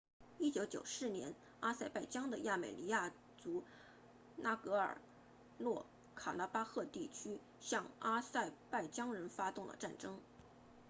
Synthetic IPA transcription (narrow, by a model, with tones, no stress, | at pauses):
i˥t͡ɕjo˧˥ʊt͡ɕjo̰˨˩ʊsɹ̩˥˩njɛ˧˥n | a˥sa˥˧ɪpa˥˩ɪt͡ɕjɑ˥ŋd̪ə˨ja˥˩mḛ˨˩ɪli˧˥ja˥˩ | t͡su˧˥ | na˥˩kɤ˧˥ə̰˞˨˩ | nwɔ˥˩ | kʰa˨˩na˥pa˥xɤ˥˧t̪i˥˩t͡ɕʰy˥ | ɕjɑ˥˧ŋa˥sa˥˧ɪpa˥˩ɪt͡ɕjɑ˥ŋɻə˧˥nfa˥t̪ʊ˥˩ŋlə̰˩ʈ͡ʂa˥˩nʈ͡ʂɤ˥ŋ